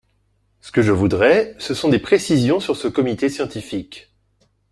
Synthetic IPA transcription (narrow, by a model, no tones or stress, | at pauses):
sə̥kəʒəvud̪ʁɛsəsɔ̃d̪epχesizjɔ̃syʁsəkɔmit̪esjɑ̃t̪ifik